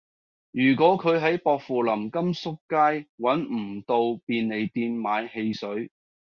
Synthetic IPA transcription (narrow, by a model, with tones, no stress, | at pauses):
jyː˨˩k̬wɔː˨˥kʰɵ˨˧ɥɦɐ˨˥jpɔː˧k̚fuː˨lɐ˨˩mkɐ˥msʊ˥kːaː˥jwɐ˨˥nm̩˨˩t̪o˧wpiː˧nne˨˧jt̪iː˧nmaː˨˧jhe˧jsɵ˨˥ɥ